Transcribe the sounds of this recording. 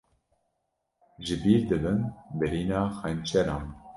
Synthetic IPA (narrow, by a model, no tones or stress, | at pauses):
ʒɨbiːɾd̪ɨbɨnbɨɾiːnɑːxɛnt͡ʃʰɛɾɑːn